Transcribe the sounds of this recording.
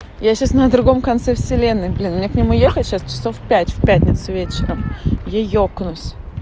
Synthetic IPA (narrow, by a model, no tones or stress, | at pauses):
jaɕasnəd̪ɾʊɡo̞mkɐnt̪sɛfsʲɪlʲe̞nːɨjblʲinmnʲeknʲɪmujexətʲɕast͡ɕɪ̥sofpʲætʲfʲpʲætʲnʲɪt̪sʊvʲet͡ɕɪɾəmjajoknʊsʲ